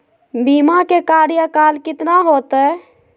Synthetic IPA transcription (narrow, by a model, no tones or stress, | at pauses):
biːmakekaːɾjakaːlkɪt̪naɦoːt̪ɦɛː